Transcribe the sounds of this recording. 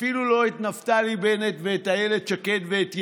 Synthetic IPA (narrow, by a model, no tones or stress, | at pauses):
filulo̞et̪naftalibenet̪veːt̪ajeled̚ʃaket̪veːt̪